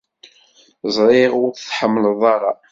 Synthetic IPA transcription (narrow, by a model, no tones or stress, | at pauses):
zˤɾˤɪʁʊɾθħəmːləðˤɑɾˤɑ